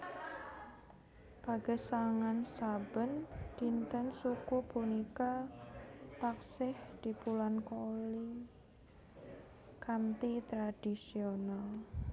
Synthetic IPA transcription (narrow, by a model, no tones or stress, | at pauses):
b̥aɡ̥ə̤saŋansabənd̪̥int̪ənsukupunika | t̪aksɪhd̪̥ipulankoli | kant̪it̪ɾad̥isional